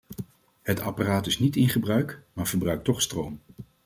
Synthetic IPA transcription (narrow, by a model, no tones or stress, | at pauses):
hətɑ̰paraːtɪsnitɪnχəbrœɥkmaːɹv̥əɹbrœɥk̚tɔχstrowm